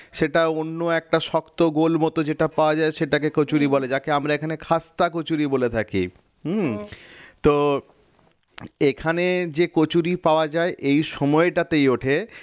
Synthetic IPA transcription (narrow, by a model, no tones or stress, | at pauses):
ʃeʈaonːoɛk̚ʈaʃɔkt̪oɡolmɔt̪od͡ʑeʈapaoad͡ʑaeʃeʈakekot͡ɕuɾiboled͡ʑakeamɾaekʰanekʰast̪akot͡ɕuɾibolet̪ʰakḭ | t̪o | ekʰaned͡ʑekot͡ɕuɾipaoad͡ʑaeʔejʃɔmɔeʈat̪ejoʈʰe